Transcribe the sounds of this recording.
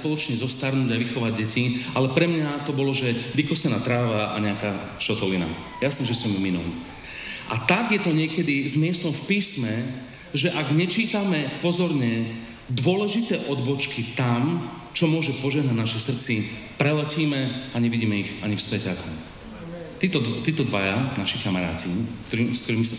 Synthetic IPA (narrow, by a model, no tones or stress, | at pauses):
pɔlˠɔt͡ʃɲɛzɔfst̪aɾnuːɟaʋixɔʋaɟ̚ɛcialɛpɾɛmɲat̪ɔbɔlɔʒɛʋikɔsɛnaːt̪ɾaːʋaʔa̰ɲɛaka | ʃɔt̪ɔlina̰ | jasnɛʒɛsɔmiminṵ | ʔa̰t̪aɡjɛt̪ɔɲɪɛkɛd̪izmɪɛst̪ɔmfpiːsmɛ | ʒɛʔaɡɲɛt͡ʃiːt̪amɛpɔzɔɾɲɛ | d̪ʋʊɔlɛʒit̪ɛːʔɔd̪bɔt͡ʃkit̪am | t͡ʃɔmʊɔʒɛpɔʒɛɦnaɟnaʃisrt͡si | pɾɛlɛciːmɛaɲɛʋiɟiːmɛiɣaɲifspɛcakɔm | t̪it̪ɔt̪iːt̪ɔd̪ʋajanaʃikamaɾa̰ːciɲ | sk̚t̪ɔɾiːmisa